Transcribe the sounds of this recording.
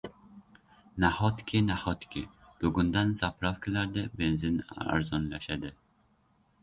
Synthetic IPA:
nahɔt̪kʰʲinahɔt̪kʲʰɪ | b̥ʊɡʊnd̪ansapʰɾafkʲʰɪlaɾd̪ɛbenzɪna̰ɾzɔnlaʃad̪ɪ

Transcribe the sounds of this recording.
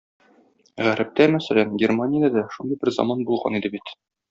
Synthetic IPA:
ʁæɾɘp̚t̪æmæsælænɡʲermanʲɪjəæd̪æʃund̪ɤjbɘɾzɒ̰mɑnbulˠʁɑ̰nid̪ɘbit̪

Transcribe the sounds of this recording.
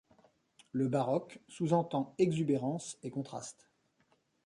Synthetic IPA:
ləbaʁɔksuzɑ̃t̪ɑ̃ɛɡzybeʁɑ̃sekɔ̃t̪χa̰st̪

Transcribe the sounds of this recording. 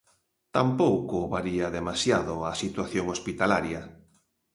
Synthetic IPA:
t̪ampowkʊβaɾiɐðemasjaðʊasit̪waθjoŋospit̪alaɾjɐ

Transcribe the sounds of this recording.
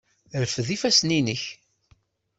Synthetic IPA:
ɾfðifæsninəç

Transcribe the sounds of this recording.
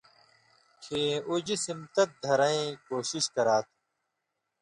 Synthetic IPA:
kʰeːud͡ʑsimt̪ɐt̪̚d̪ʱɐɾɐẽːkoːɕiɕkɐɾaːt̪ʰ

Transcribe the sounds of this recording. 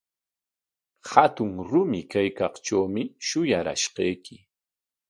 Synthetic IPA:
hat̪ʊŋɾʊmɪkajkɑχʈ͡ʂawmɪʃʊjaɾa̰ʃqejkʰɪ

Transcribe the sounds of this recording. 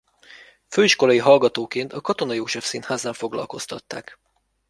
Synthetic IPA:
føːiʃko̞lɒjiɦɒlɡɒt̪oːkeːnt̪ɒkɒt̪o̞nɒjoːʃɛfsiːnhaːzaːɱfo̞ɡlɒ̰lko̞st̪ɒt̪ːa̰ːk

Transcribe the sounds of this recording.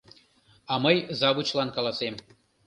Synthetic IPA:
ɑməjzɑβut͡ɕlɑnkɑlˠɑsem

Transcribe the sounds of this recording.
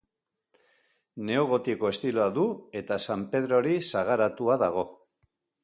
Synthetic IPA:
ne̞oɣ̞o̞t̪iko̞e̞st̪iloaðue̞t̪asampe̞ðɾo̞ɾisaɣ̞aɾat̪uaðaɣ̞o̞

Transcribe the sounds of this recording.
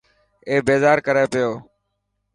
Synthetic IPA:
eːbeːzaːɾkəɾeːpɪjoː

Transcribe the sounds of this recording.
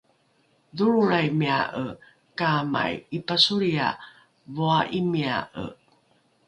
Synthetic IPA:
ðuɾuɾajmiaʔə | kama̰jipasuɾia̰ | voaʔimia̰ʔə̰

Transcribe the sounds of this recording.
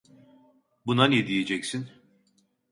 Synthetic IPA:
bunanid̪ijed͡ʒɛcsin

